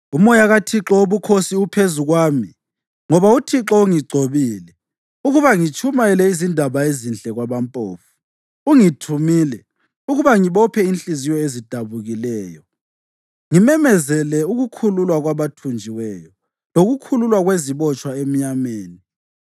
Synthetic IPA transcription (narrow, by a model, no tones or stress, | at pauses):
umɔjaɣatʰiǁɔoβukʰosiupʰezuɣwaːmi | ŋɔβautʰiǁɔuŋiɡ͡ǀʱoβiːlɛ | uɣuβaŋit͡ʃʰʼumaɛlɛizindʱaβaezint͡ɬʼɛɣwaβampʼo̰ːfu̥ | uŋitʰumilɛ | uɣuβaŋiβɔpʰɛint͡ɬʼizijɔezid̥ʱaβuɣilɛːjɔ | ŋimɛmɛzɛlɛuɣukʰululwaɣwaβatʰund͡ʒʱiwɛjɔ | loɣukʰululwaɣweziβɔt͡ʃʼwaem̩ɲameːni